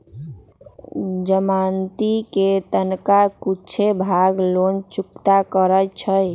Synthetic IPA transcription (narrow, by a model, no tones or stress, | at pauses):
d͡ʒəmant̪iket̪ənkakut͡ʃʰebʱaɡlont͡ʃukt̪akəɾət͡ʃʰəj